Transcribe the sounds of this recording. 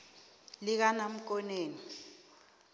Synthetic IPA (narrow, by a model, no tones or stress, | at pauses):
lik̬anam̩k̬ɔneːni